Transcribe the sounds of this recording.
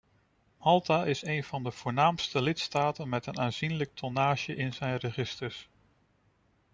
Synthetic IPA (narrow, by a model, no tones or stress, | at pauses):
mɑlˠtaʔɪsejnvɑndəv̥ʊːɹnaːmstəlɪtstaːtənmɛtənaːnzinlək̚tʰonaːʃəʔɪnzɛjnrəχɪstəɹs